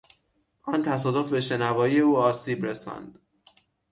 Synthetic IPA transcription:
ʔɒnt̪ʰæs̬ɒːd̪ofbe̞ʃe̞nævɒːije̞uːɒːsiːbɾesæ̰nd̪̥

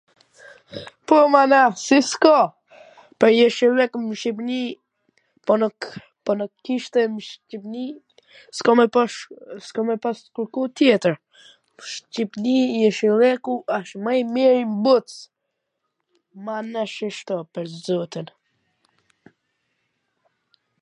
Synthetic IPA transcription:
pɔmanasiskɔ | pəɾjɛʃilɛkmʃipni | pɔn | pɔnukːiʃt̪ɛmʃcipni | skɔmɛ | skɔmɛpaskuɾkut̪jɛt̪əɾ | ʃt͡ʃipnijɛʃilɛkuaʃmajmiɾimbut̪s | manaʃiʃt̪ɔpəɾzɔt̪in

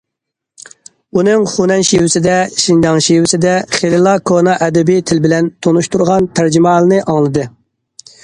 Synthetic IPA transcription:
unɨŋχunɛnʃiwɪsɪd̪ɛʃind͡ʒɑŋʃiwɪsɪd̪ɛχelɪlˠɑkʰonɑʔɛd̪ɛbit̪ʰɪlbɪlɛnt̪ʰonuʃt̪uɾʁɑnt̪ʰæɾd͡ʒimɑːlˠɨnɨʔɑŋlˠɨd̪ɨ

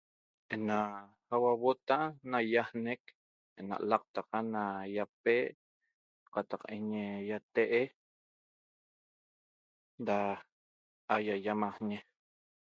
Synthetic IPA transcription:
ʔena | awawot̪anajahnek | ena̰ʔlaq̚t̪aqanajap̚e | qɑt̪ɑqeɲejat̪eʔe | da | ajajamahɲe

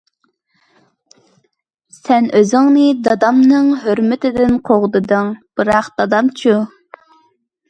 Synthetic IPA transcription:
sɛnʔøzɪŋnɨd̪ɑd̪ɑmnɨŋɦøɾmɪt̪ʰɪd̪ɪnqʰoʁd̪ɨd̪ɨŋb̥ɨɾɑqd̪ɑd̪ɑmt͡ʃʰu

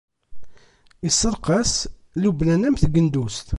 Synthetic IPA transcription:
isəɾˤqɑs | lublænæmθɡənd̪ust̪

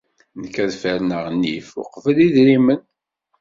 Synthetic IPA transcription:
nəkːæðfəɾnəʁnːḭfṵqːvəliðɾimən

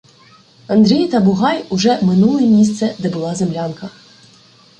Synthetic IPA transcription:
ɐnd̪ɾʲijt̪ɐbʊɦɑjʊʒɛmɪnulˠɪɛmʲis̬t̪sɛd̪ɛbʊlˠɑzemlʲɑnkɐ

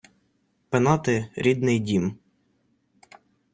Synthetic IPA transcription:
penɑt̪ɪɾʲid̪nɪjdʲim

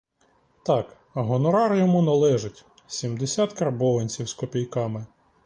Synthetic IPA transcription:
t̪ɑk | ɐɦɔnɔɾɑɾjɔmunɐlˠɛʒɪtʲ | sʲimd̪esʲɑt̪kɐrbɔʋɐnʲt͡sʲiwskɔpʲijkɑmɪ

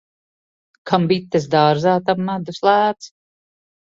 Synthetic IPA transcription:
kʰambit̪ːɛs̬d̪aːɾzaːt̪amːad̪uslˠæːt̪s

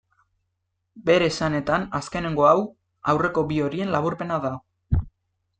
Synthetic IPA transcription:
be̞ɾe̞sane̞t̪anaske̞ne̞ŋɡo̞aw | awre̞ko̞bio̞ɾie̞nlaβuɾpe̞naða

